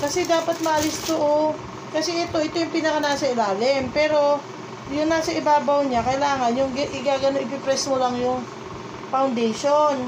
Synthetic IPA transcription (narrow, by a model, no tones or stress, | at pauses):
kɐsɛd̪aːpɐt̪̚mɐʔɐlɪst̪oʔo | kɐsɛʔɛt̪o̞ʔɪt̪ojʊŋpiːnɐkɐnaːsɐɪlaːlɪmpɛːɾo̞ | jʊŋnaːsɐʔɪbaːbɐwɲakɐʔɪlaːŋɐnjʊŋɡʔɪɡaːɡɐnoŋʔɪp̬ɪpɾɛsmolɐŋjʊŋ | pawnd̪ɛjʃon